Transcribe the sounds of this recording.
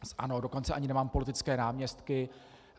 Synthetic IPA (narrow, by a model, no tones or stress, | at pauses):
sʔa̰nodo̞ko̞nt͡sɛʔaɲɪnɛmaːmpo̞lɪt̪ɪt͡skɛːnaːmɲɛst̪kɪ